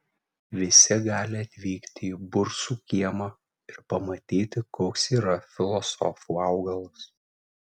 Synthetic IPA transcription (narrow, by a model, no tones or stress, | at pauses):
ʋʲɪsʲɪɡɑːlʲɪɐt̪ʲʋʲiːkt̪ʲɪiːbʊɾsuːkʲiɛmɐ | ɪɾpɐmɐt̪ʲiːt̪ʲɪkoːksiːɾɐfʲɪlˠɔsɔ̰fuːɑʊɡɐlˠʊs